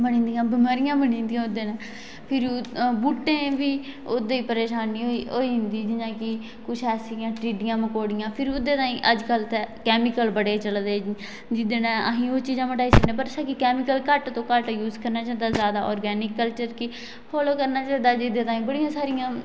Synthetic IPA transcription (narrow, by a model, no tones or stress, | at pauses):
bənĩːnd̪ijãːbɪmaːɾɪjãːbəɳĩːnd̪ijãːʊd̪eːnãː | pʰɪɾbuːʈːẽːʋiːod̪eiːpəɾeːʃaːniːoːiːɦɪnd̪iːd͡ʒɪɲãːkɪ | kʊt͡ʃʰɛːsijãːʈɾiːɖɪjãːməkoːɽɪjãːpʰɪɾʊd̪eːt̪ãːĩːʔəd͡ʒkəlt̪ekɛːmɪkəlbəɽeːt͡ʃəld̪eː | d͡ʒɪd̪eːnãːəɦĩːoːt͡ʃiːzãːməʈaːiːsənẽːpəɾsãːkɪkɛːmɪkəlkəʈt̪õːkəʈjuːzkəɾnaːt͡ʃaːnd̪aːzjaːd̪aːʔɔːɾɡɛːnɪkːəlt͡ʃəɾkɪ | pʰoːloːkəɾnaːt͡ʃaːnd̪aːd͡ʒɪd̪ẽːt̪ãːĩːbəɽijãːsaːɾɪjãː